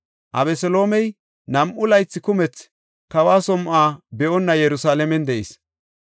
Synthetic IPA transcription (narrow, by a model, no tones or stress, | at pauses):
ʔɐ̰bɛsɔlo̞ːmɛj | nɐmʔʊlɐjt͡sːɪkʊmɛt͡s | kɐwaːsɔmʔaːbɛʔɔnːɐjɛɾʊsaːlɛmɛnd̪ɛʔɪ̰s